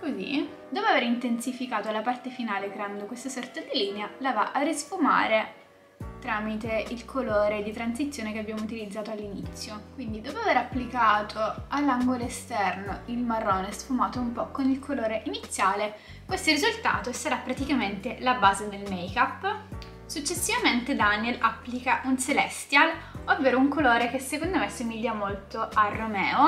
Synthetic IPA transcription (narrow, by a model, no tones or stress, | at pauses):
kozḭ | d̪ɔːpoaveːɾint̪ensifikaːt̪olapart̪efinaːlekɾeand̪okwest̪asɔrt̪ad̪iliːnealavaʔarisfuma̰ːɾe | t̪ɾaːmit̪eilkʰoloːɾed̪it̪ɾansit̪sːjoːnekeabːjaːmout̪̬ilid̪zːaːt̪oalːinit̪sːjokwind̪id̪ɔːpoaveːɾapːlikaːt̪ʰoalːaŋɡoloest̪ɛrnoilmarːoːnesfumaːt̪oumpɔkːonilkʰoloːɾeʔinit̪sːjaːle | kwest̪orizult̪a̰ːt̪osaɾapːɾat̪ikament̪elabaːzed̪elmejkapː | sut͡ʃːesːivament̪ed̪anjelapːlikaʔunselɛst̪jalovːeːɾouŋkoloːɾekesːekond̪omesːumiʎːamolt̪oarːomɛːo